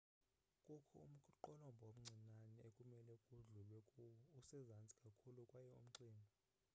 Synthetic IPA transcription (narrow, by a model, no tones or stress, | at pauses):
kʼukʰɔ̰um̩kʰʼǃɔlɔmbʱom̩ŋ͡ǀʱinanɛekʼumɛlɛkʼuɮulwɛusɛzant͡sʼi̥kʼakʰulukʼwajɛṵm̩ǀiːmba